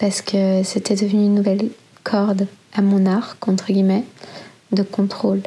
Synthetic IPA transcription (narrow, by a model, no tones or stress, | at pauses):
paʁsə̥kʰəset̪ɛd̪əvənyːnːuvɛl | kʰɔʁd̪amɔ̃naʁkɑ̃t̪χəɡʲimɛ | d̪əkɔ̃t̪χol